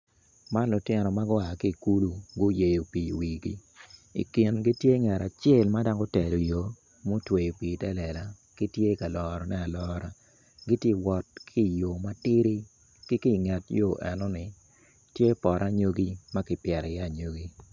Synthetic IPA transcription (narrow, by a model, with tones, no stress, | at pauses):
ma˦lʊ˨tɪ˦nɔ˨ma˦ɡʊ˦a˨ki˦˨ku˦lu˦ɡʊ˦je˨jo˨piː˨wiː˨ɡḭ˦ḭ˨kɪ˨nɡi˦tje˦ŋɛ˨ɾa˨t͡ʃe˦˨lma˦da˦ŋɡo˦tɛ˨lo˨jo˨˦ | mo˦twe˨jo˨piː˨tɛ˦lɛ˨la˨ | ki˦tje˦ka˨lɔ˨ɾɔ˨nɛ˦a˨lɔ˦ɾa˨ | ɡi˦tje˦wɔ˨t̚kʰi˦˨jo˨ma˦tɪ˦ɾi˦ | kɪ˦ki˦ŋɛ˨tjo˦˨ʔɛ˨nɔ˦nɪ˨ | tje˦pɔ˨ɾʔa˦ɲo˦ɡi˦ma˦kɪ˨pjɛ˨ɾɛ˨ja˦˨ɲo˦ɡi˦